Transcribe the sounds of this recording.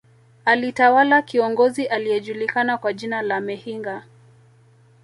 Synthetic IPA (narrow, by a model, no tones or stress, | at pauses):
alitawalakiɔŋɡɔziʔalijɛʄulikanakwaʄinalamɛhiŋɡa